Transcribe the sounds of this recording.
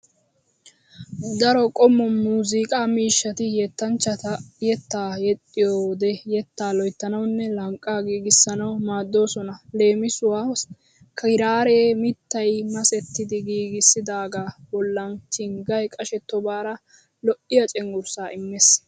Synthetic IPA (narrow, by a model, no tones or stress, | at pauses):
d̪ɐɾɔkʼɔmːɔmuːzikʼaːmiːʃːɐt̪ɪjɛt̪ːɐnt͡ʃːɐt̪ɐjɛt̪ːaːjɛt̪ʼːɪjoːd̪ɛjɛt̪ːaːlɔjt̪ːɐnɐwnːɛlɐŋkʼːaːɡiːɡɪsːɐnɐwmaːd̪ːo̞ːsɔnɐle̞ːmɪsʊwa | kʰɐɪɾaːɾeːmɪt̪ːɐjmɐsɛt̪ːɪd̪ɪɡiːɡɪsːɪd̪aːɡaːbɔlːɐnt͡ʃɪŋɡɐjkʼɐʃɛt̪ːɔbaːɾɐ | lɔʔɪjɐt͡ʃʼɛŋɡʊɾsaːʔɪmːes